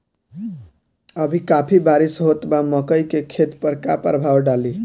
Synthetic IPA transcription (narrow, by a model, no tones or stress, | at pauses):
əbʱikapʰibaɾisɦot̪baməkəjkekʰet̪pəɾkapəɾbʱawɖali